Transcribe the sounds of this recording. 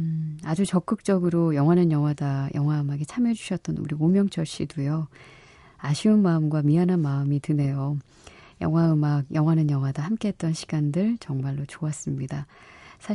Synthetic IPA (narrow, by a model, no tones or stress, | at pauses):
ad͡ʑut͡ɕʌk͈ɯk̚t͡ɕ͈ʌɡɯɾojʌŋɦwanɯnjʌŋɦwadajʔʌŋɦwaɯmaɡet͡ɕʰamjʌd͡ʑuɕʰʌt̚t͈ʌnṵɾiomjʌŋt͡ɕʰʌɭɕ͈idujo | aɕʰiɯnmaɯmɡwamianɦanmaɯmitɯne̞jo | jʌ̰ŋwaɯmaɡjʌŋwanɯnjʌŋwadahamk͈e̞ɦet̚t͈ʌnɕʰi̥ɡ̥andɯɭt͡ɕʌŋmaɭːot͡ɕoas͈ɯmɲidasʰa